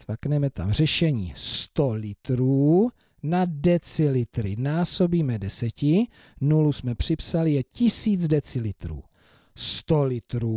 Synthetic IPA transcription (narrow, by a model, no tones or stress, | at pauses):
vaknɛmɛt̪a̰mr̝ɛʃɛɲḭːst̪olɪt̪ɾuː | nadɛt͡sɪlɪt̪ɾɪnaːso̞biːmɛdɛsɛcɪ | nulusmɛpr̝̥ɪpsalɪjɛcɪsiːd͡zdɛt͡sɪlɪt̪ɾṵː | st̪olɪt̪ɾuː